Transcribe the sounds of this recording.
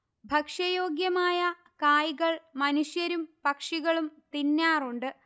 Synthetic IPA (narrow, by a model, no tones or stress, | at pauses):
bʱɐkʂɐjo̞ːɡjɐmaːjɐ | kaːjiɣɐɭmɐnuɕjɐɾumpɐkʂiɣɐɭumt̪inːaːruɳɖɨ